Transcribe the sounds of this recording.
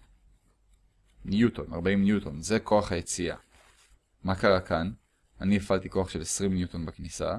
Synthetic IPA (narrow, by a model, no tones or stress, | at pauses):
njuto̞na̰ʁbaimnjuto̞nze̞ko̞aχhaje̞t͡sia̰ | makaʁakʰan | aniefʔalt̪iko̞aχʃe̞lesʁimnjut̪onbaknisa̰